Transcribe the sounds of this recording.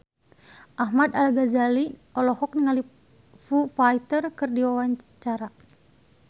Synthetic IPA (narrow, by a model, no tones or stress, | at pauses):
ʔahmad̪alɡazaliɔlɔhɔk̚niŋali | fufait̪ərkɨrdiwawaɲt͡ʃaɾa